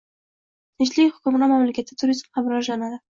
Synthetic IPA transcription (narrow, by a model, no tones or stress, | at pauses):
t̪ʰɪt͡ʃlɪkʲhʊ̥kʲʊmɾamamlakʲat̪ʰɪ̥t̪ʰʊɾizmamɾɒʒlanad̪ɪ